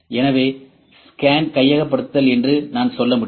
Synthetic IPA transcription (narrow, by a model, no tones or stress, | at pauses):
ɛnɐʋeː | skaːnkɐjːɐɣɐpːɐɽɯt̪ːɐlɛndrɯnaːnsɔlːɐmʊɽ